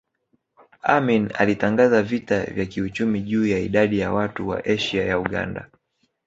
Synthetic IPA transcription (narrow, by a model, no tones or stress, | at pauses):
amina̰litaŋɡazavitavjakiut͡ʃumiʄuːjaiɗaɗijawatuwa̰ʔɛʃiajauɠa̰nda̰